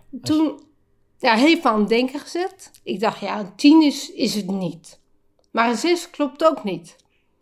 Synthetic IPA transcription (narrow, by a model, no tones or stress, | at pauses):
tun | jaɦeːfanmdɛŋkəxəzɛt | ɪɡ̚dɔxtjantʰinəsɪsətnit | marəsɪsklop̚toːknit